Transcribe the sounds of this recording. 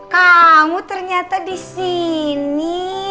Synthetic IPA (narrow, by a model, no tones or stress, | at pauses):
kamut̪ərɲat̪adisini